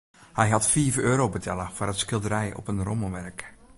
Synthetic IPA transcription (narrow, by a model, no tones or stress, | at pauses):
hɛjɦɑtfiːəvəøːɾowbətʰɛlˠəv̥ʊrətsxkɪlˠdəɾɛjɔ̰pənroməʋɛrk